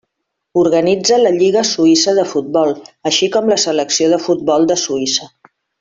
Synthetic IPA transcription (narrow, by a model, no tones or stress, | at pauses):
uɾɣənid͡zələʎiɣəsuisəðəfut̪̚bɔlˠəʃikɔmləsələksioðəfut̪̚bɔlˠd̪əsuisə